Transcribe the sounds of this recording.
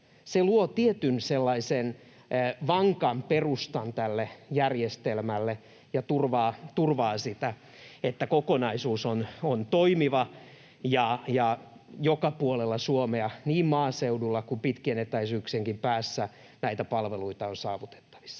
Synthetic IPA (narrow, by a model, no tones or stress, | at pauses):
seluot̪iet̪ynselːɑisen | ʋɑŋkɑmperust̪ɑnt̪ælːejærjest̪elmælːe | jɑt̪urʋɑːt̪urʋɑːsit̪æ | et̪ːækokonɑisuːsonont̪oimiʋɑ | jɑjɑ | jokɑpuolelːɑsuomeɑniːmmɑːseudulːɑkumpit̪kienet̪ːæisyːkseŋkimpæːsːæ | næit̪æpɑlʋeluit̪ɑonsɑːʋut̪e̥t̪ːɑ̥ʋ̥i̥sːɑ̥